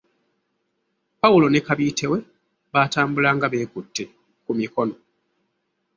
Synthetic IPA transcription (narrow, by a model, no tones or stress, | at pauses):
paulo̞nekaβiːtʰe̞we̞ | βaːtaːmbulaŋɡaβe̞ːkutːe | kumiko̞no̞